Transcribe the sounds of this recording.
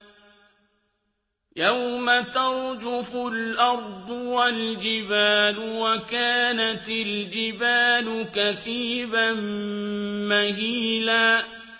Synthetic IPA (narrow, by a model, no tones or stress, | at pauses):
jawmat̪ɑɾˤd͡ʒʊfʊlʔɑɾˤd̪ˤʊwald͡ʒɪbaːlʊwakaːnat̪ɪld͡ʒɪbaːlʊkaθiːban | mahiːlaː